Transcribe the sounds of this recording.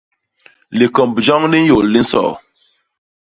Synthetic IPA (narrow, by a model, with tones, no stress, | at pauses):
li˨kɔ˨mbd͡ʒɔ˦ŋni˦jo˨lːi˦n̩˦sɔ̰˨